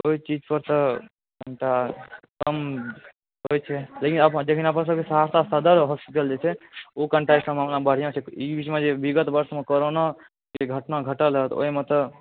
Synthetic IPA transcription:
oit͡ʃid͡ʒpəɾt̪ə | kəɳʈakəm | ɦojt͡ʃʰɛlekinəpd͡ʒekʰinapnsəbkesəɦaɾt̪ast̪ad̪əɾɦɔspiʈəld͡ʒet͡ʃʰɛokəɳʈaesə̃mamlabəɽ̤ijãt͡ʃʰɛibismẽd͡ʒebiɡət̪bəɾsmekoɾona | keɡʱəʈnaɡʱəʈəlɦət̪o̰ɦimẽt̪ə

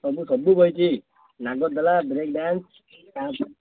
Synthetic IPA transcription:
sɔbusɔbubʱɔjt͡ʃʰi | naɡɔd̪ɔlabɾek̚ɖans | a

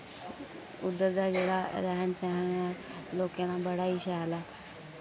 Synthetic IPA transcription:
ud̪ːəɾd̪ad͡ʑeɽaɾaɦənsaɦanjalokenabəɽ̤aiɕɛala

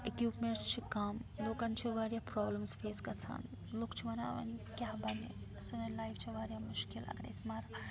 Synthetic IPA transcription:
ekjuːpmeɳʈst͡ʃʰikamloːkɐnt͡ʃʰiʋaːɾjaːpɾɔːbləmsfʰeːskɐsʰa̰ːn | loːkt͡ʃʰiʋɐna̰ːʋɐ̰nkʲjaːɦbɐne | sinɐnlaːjfʰt͡ʃʰiʋaːɾjaːmʊʃkilɐ̰kɾḛːsmaːɾ

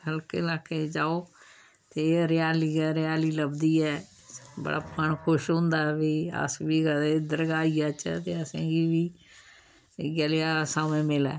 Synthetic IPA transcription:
həlkeːlaːkeːd͡ʒaːoː | t̪eːɾɪjaːliːɡɛɾɪjaːliːləbd̪iːɛː | bə̰ɽa̰ːpʰəɳkʰʊʃɦʊ̃nd̪aːɛʋiːə̰sʋiːɡəd̪əɾɡaːiːaːt͡ʃət̪eːəsãːɡiːʋiː | ɡəleaːsaːmẽːmɪlɛ̰ː

